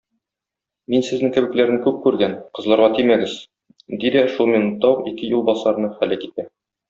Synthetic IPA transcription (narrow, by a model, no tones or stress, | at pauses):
minsɘ̆znɘŋkɘ̆bɘ̆klæɾɘŋkʉp̚kʉɾɡænqɤ̆zlˠɑɾʁɑt̪imæɡɘz̥ | d̪id̪æʃulˠmʲɪnut̪ːɑwuqikɘjulˠbɒsɑɾnɤχælækit̪æ